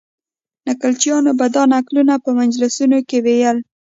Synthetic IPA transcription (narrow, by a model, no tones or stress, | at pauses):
nakalt͡ʃjɑnobad̪ɑnaklunapəmand͡ʒlasunokewejəl